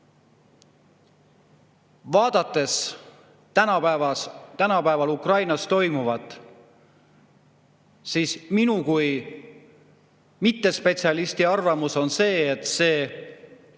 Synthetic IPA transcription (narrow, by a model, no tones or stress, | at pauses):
vɑːd̪̥ɑt̪ːˑe̞s | ænɑpævɑt̪ænɑpæevɑlukrɑjnɑst̪o̞jmuvɑt̪ːˑ | siːsminukuj | mit̪ːe̞spe̞t̪siɑlist̪iɑrvɑmuso̞nse̞ːet̪ˑse̞ː